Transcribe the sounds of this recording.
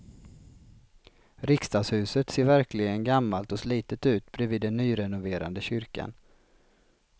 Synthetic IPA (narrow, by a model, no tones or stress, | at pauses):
ɾɪkst̪ɑːɡshʉ̟ːsət̪seːɾvæɾklɪɡənɡamːalt̪ɔsliːt̪ət̪ʉ̟ːt̪bɾɛviːd̪ːɛnːyːɾɛnʊveːɾa̰nd̪əɕʏɾka̰n